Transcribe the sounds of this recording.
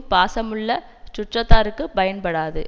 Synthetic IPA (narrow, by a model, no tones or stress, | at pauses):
paːsɐmɯɭːɐ | t͡ʃʊʈrɐt̪ːaːɾɯkːɯpɐjɐnpɐɽaːðɯ